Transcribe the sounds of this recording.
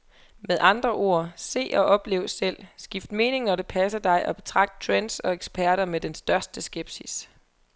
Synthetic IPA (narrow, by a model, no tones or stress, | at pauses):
meðˠɑ̈nd̥ʁɐʔo̝ɐ̰se̝̰ːʔɒ̽ʔɒ̽b̥le̝̰ːʊsel̰sɡ̥ifd̥me̝ːne̝ŋnɒ̽ɾe̝pʰæsɐd̥ɑ̈ɪʔɒ̽b̥e̝t͡sʰʁɑ̈ɡ̥̚d̥̚t͡sʰʁend̥sɒ̽eɡ̥sb̥ʰæɐɾɐmed̥ensd̥ɶɐsd̥əsɡ̥eb̥sis